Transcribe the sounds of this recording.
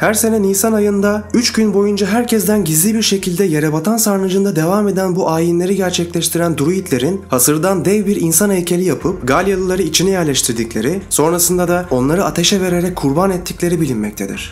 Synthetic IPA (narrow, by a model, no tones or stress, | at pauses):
hæɾse̞nɛniːsanajɯnd̪ayt͡ʃɟynbo̞jund͡ʒaɦæɾcʰɛzd̪ænɟizlʲibiɾʃe̞cʰilʲd̪ɛjeɾebat̪ʰansaɾnɯd͡ʒɯnd̪ad̪e̞vame̞d̪ænbuʔaːjinlʲe̞ɾiɟæɾt͡ʃʰɛclʲɛʃt̪ʰiɾænd̪uɾujit̪ʰlʲe̞ɾinhasɯɾd̪and̪ɛvbiɾinsanɛjcʰe̞lʲijapʰɯp̚ɡalʲjalˠɯlˠaɾɯit͡ʃʰinɛjɛɾlʲɛʃt̪ʰiɾd̪iclʲe̞ɾiso̞nɾasɯnd̪ad̪ao̞nlˠaɾɯat̪ʰe̞ʃɛve̞ɾe̞ɾɛckʰːuɾbanɛt̪ʰːiclʲe̞ɾibilʲinmːɛc̚t̪ʰe̞d̪ḭɾ̥